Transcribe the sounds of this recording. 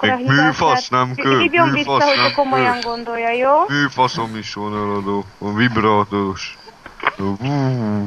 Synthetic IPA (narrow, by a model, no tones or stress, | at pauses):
emyːfɒsnɛmkøijoiɔɛɦokomojɒŋɡond̪ojːɒjoːmyːfɒsomiʃʋonɛlɒd̪oːovibɾaːt̪oɾoʃ | uː